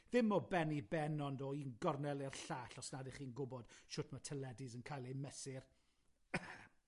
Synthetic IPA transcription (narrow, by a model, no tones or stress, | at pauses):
ðɪmɔbɛnibɛnɔndɔiːnɡɔrnɛlˠɪrɬaːɬɔsnadɪχiːnɡʊbɔd̥ʃʊtʰmatʰəlˠɛdɪzənkʰajlˠemɛsɪr